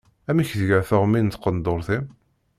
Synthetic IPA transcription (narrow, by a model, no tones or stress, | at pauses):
æmiçðəʝəɾθəʁmint̪qənd̪oɾθim